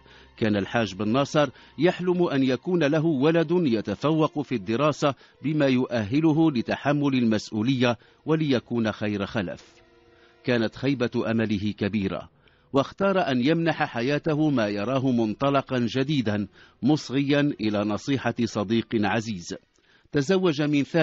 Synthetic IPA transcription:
kaːnalħaːʒbɪnːɑsˤɨɾˤ | jaħlʊmʊʔanjakuːnalaɦʊwalad̪ʊjat̪afawːɑqfiːd̪ːɪɾɑːsa | bɪmaːjʊʔaɦːɪlʊɦʊlɪt̪aħamːʊlalmasʔuːlɪjːa | walɪjakuːnaxajɾxala̰f | kaːnat̪xajbaʔamalɪɦɪkabiːɾa̰ | wɑxt̪ɑːɾˤɑʔanjamnaħaħajaːt̪aɦʊmaːjɑɾˤɑːɦʊmʊnt̪ˤɑlɑqɑnd͡ʒad̪iːd̪a | mʊsˤɣɪjːanʔɪlaːnɑsˤiːħɑsˤɑd̪iːqʕaziːz | t̪azawːad͡ʒamɪnθaː

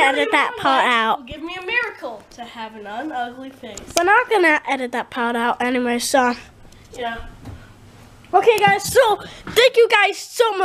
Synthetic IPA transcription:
ɛɾɨt̪̚ðɨt̚pʰɑɹɾaʊt̚ɡɪvmiɨmɪɹɨkʰl̩ˠtʰɨəvɨ̃nə̃nʌɡliθɪ̃b̥ʌt̚ⁿnəɪɡʌnɨʔɛɾɨt̪̚ðət̚pʰɑɹɾaʊtɛniweɹso | j | oʊkʰeɪɡaɪz̥soʊθæ̃ŋkjɨɡaɪz̥soʊm

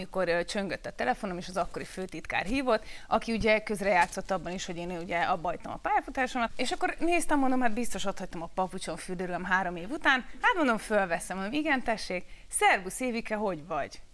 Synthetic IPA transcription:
iko̞rt͡ʃøŋɡøt̪ːɒt̪ɛlɛfo̞no̞meːʃɒzɒkːo̞ɾiføːt̪it̪ka̰ːrɦiːvo̞t̪ːɒkiuɟɛkø̞zrɛjaːt̪so̞t̪ːɒbːɒniʃhoɟeːnuɟɛɒbːɒɦɒjt̪ɒmɒ̰paːjafut̪aːʃomɒt̪eːʃɒkːo̞rneːst̪ɛmond̪omɦad̪bist̪o̞ʃot̪hɒcʲt̪ɒmɒpɒput͡ʃo̞ɱfyrd̪øɾylømɦaːɾo̞meːvut̪aːnhat̪mond̪o̞ɱfølvɛsɛmond̪omiɡɛnt̪ɛʃːeːk | sɛrɡuseːvikɛɦo̞ɟvɒɟ

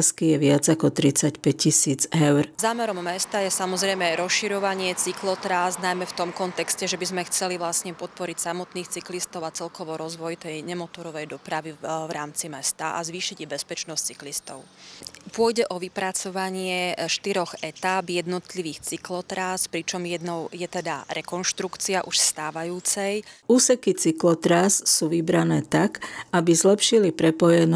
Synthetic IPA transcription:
skijɛʋɪad͡zakɔt̪ɾit͡sacpɛcːisiːd͡zɛʊɾzaːmɛɾɔmːɛst̪ajɛsamɔzɾɛjmɛɾɔsʃiɾɔʋaɲɪɛt͡siklɔt̪ɾaːznajmɛft̪ɔmkɔnt̪ɛkscɛʒɛbizmɛxt͡sɛliʋlasɲɛpɔt̪̚pɔɾicsamɔt̪niːxt͡siklist̪ɔʊat͡sɛlkɔʋɔɾɔzʋɔjt̪ɛjɲɛmɔt̪ɔɾɔʋɛjd̪ɔpɾaʋiʋɾaːmt͡simɛst̪aʔa̰zʋiːʃiɟibɛspɛt͡ʃnɔsct͡siklist̪ɔʊpʊɔjɟɛʔɔʋipɾat͡sɔʋaɲɪɛʃt̪iɾɔɣɛt̪abjɛd̪nɔt̪liʋiːxt͡siklɔt̪ɾaːspɾit͡ʃɔmjɛd̪nɔʊjɛt̪ɛd̪a̰ɾɛkɔnʃt̪ɾukt͡siaʔuʃst̪aːʋajuːt͡sɛjuːsɛkit͡siklɔt̪ɾaːssuːʋibɾanɛːt̪akʔabizlɛpʃilipɾɛpɔjɛn

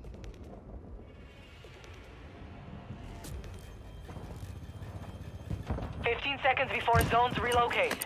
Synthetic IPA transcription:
fɪftĩnsɛkə̃ndzbɪfɔːɹɪzõʊ̃nzɹiloʊkʰeɪd̥

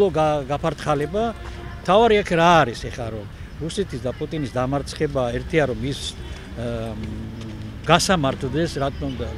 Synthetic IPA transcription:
ɔɡaɡapʰaɾt̪ʰχalɛbamt̪ʰavaɾiakʰɾaːɾisɛχaɾɔm | ɾusɛt̪ʰisd̪apʼut̪ʼinisd̪amaɾt̪sʰχɛbaɛɾt̪ʰiaɾɔmis | ɡasamaɾt̪ʰd̪ɛsɾat̪ʼɔnd̪a

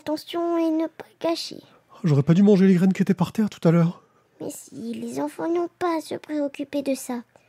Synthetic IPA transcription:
t̪ɑ̃sjɔ̃ɛnəpḁɡaʃḛ | ʒɔʁɛpad̪ymɑ̃ʒeleɡʁɛnkʲiet̪ɛpaʁt̪ɛʁt̪u̥t̪alœːʁ | mɛ̰silezɑ̃fɑ̃nɔ̃pasə̰pχeɔkʲyped̪əsa

